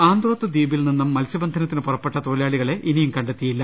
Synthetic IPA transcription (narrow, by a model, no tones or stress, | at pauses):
aːnd̪ro̞ːt̪ːɨd̪iːbilninːumːɐlsjɐbɐnd̪ʱɐnɐt̪ːinɨpurɐpːe̞ʈːɐt̪o̞ːljaːɭiɣɐɭe̞ʔinijumkɐɳɖet̪ːijilːɐ